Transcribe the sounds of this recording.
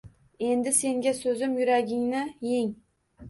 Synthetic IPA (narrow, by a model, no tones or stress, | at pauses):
e̞nd̪ɪse̞ŋɡʲasɵzɪmjʊɾaɡʲɪŋnɪjeŋ